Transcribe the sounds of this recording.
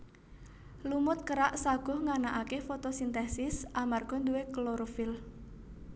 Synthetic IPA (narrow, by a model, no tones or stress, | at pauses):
lumʊt̪̚kəɾaʔsaɡ̥ɔ̤hŋanaʔakefot̪osint̪esɪsʔamarɡ̥ɔ̤nd̪uwekloɾofɪl